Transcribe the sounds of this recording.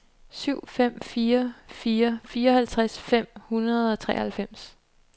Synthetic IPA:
syʊ̰fem̰fiːɐfiːɐfiːɐɒ̽hælt͡sʰʁasfem̰hunɐð̞ˠɒ̽t͡sʰʁɛ̰hælfem̰s

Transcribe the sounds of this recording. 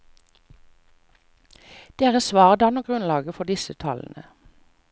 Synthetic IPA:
d̪̥eːʁəsʋɑːʁəd̪ɑːnoːɡʁʉnlɑːɡəfɔd̪ɪsət̪ʰɑln̩ə

